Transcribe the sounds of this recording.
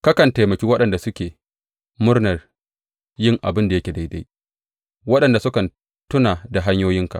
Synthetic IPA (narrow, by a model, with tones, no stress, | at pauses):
ka˦kɐ˨nta˨jmɐ˨kʲiː˦wɐ˦ɗɐ˨nda˨sʊ˦kʲeː˨ | mʊ˦rnɐ˨r | jɪ˦˨ŋʔa˨bɪ˦nda˨jɐ˦kʲe˨da˦jda˦j | wɐ˦ɗɐ˨nda˨sʊ˦kɐ˨n | tʊ˦naː˨da˨ɦa˦ɲjoː˦jɪ˦ŋka̰˨